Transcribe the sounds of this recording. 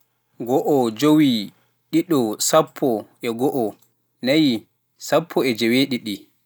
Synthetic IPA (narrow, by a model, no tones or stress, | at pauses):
ɡɔʔɔd͡ʒowi | ɗiɗɔsapʰːɔʔɛɡɔʔɔ | naji | sapʰːɔɛd͡ʒɛweɗiɗi